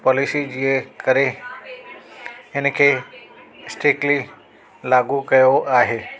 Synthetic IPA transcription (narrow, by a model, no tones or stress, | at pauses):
pɔːlɪsid͡ʑiẽkɐɾe | ɪnkʰeː | sʈɾɪkli | laːɡukɐjoaːɦeː